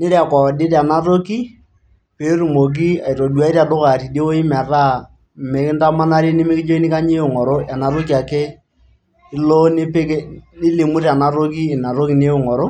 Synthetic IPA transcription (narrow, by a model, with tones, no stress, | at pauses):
nɪ˦ɾa˨kɔ˨dɪ˦ɾa˨na˦ɾo˦ki˦ | pe˨˦ru˨mo˨k̬i˦a˨i˨ɾo˨du˨a˨˦ɪ˦ɾa˨dʊ˦ka˨ti˨de˦o˦ɪ˦ma˨ra˦˨ | me˨kɪ˦n˦ta˦ma˦na˦ɾi˦nɪ˦mɪ˦kɪ˦d͡ʒo˦i˦nɪ˦ka˦ɲe˦ʊ˨ŋɔ˨ɾo˦a˨na˨ɾo˦k̬i˨a˨ke˦ | ɪ˦lo˦nɪ˦pe˦knɪ˦le˨mu˦ɾa˨na˨ɾo˦k̬iː˦˨na˨ɾo˦ki˨˦ne˦ʊ˨ŋɔ˨ɾo˦